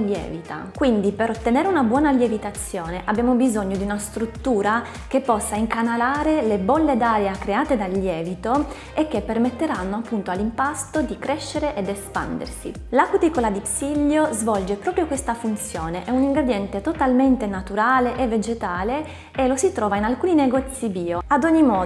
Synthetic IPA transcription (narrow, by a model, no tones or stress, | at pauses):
ljɛ̰ːvit̪a̰kwind̪ipeɾot̪ːeneːɾeunabwɔːnaljevit̪at̪sːjoːneʔabːjaːmobizoɲːod̪iunast̪ɾut̪ːuːɾa | k̟epːɔsːaiŋkanalaːɾelebolːed̪aːɾeakɾeaːt̪ed̪alːjɛːvit̪o | ekːepːermet̪ːeɾanːoapːunt̪oalːimpast̪od̪ikɾeʃːeɾeʔed̪espa̰nd̪ḛrsḭ | lakut̪ikolad̪ipsiʎːjozvɔld͡ʒepɾɔːpɾjokwest̪afunt̪sjoːneʔɛuniŋɡɾed̪jɛnt̪et̪ot̪alment̪enat̪uɾaːleʔevːed͡ʒet̪aːle | elosit̪ɾɔːvainalkuːnineɡɔt̪sːibiːoad̪oɲːimɔː